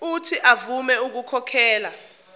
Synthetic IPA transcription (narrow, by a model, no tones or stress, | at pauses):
utʰiʔavumɛuk̬ukʰɔkʰɛːla